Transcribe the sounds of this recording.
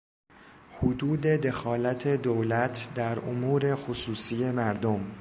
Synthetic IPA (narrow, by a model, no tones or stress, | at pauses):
hod̪uːd̪e̞d̪e̞xɒːlæt̪ʰed̪owlæt̪ʰd̪æɾomuːɾe̞xosuːsiːje̞mæɾd̪om